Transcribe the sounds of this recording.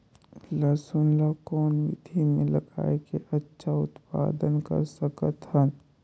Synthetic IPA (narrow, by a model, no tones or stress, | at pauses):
lɐsʊnlakɔːnʋid̪ʱimẽlɐɡa̰ːekeʔɐtːʃʰaʊt̪pa̰ːd̪ənkə̰ɾsɐkət̪hən